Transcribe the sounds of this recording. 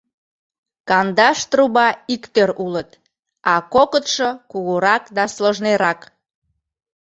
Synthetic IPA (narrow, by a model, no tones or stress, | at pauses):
kɑnd̪ɑʃt̪ruβɑikt̪øɾulət̪ | ɑkokət̪ʃokuɣuɾɑkd̪ɑsloʒneɾɑk